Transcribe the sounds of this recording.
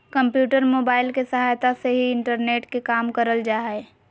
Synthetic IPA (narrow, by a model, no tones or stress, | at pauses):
kə̃mpjuːʈəɾmoːbaːɪlkesəɦaːjt̪aseɦiɪɳʈəɾneːʈkekaːmkəɾəld͡ʒaːɛ